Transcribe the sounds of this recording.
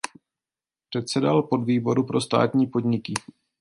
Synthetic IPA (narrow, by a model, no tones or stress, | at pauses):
pr̝̥ɛt̪sɛdalpo̞dviːbo̞ɾupɾo̞st̪a̰ːt̪ɲiːpo̞dɲɪkɪ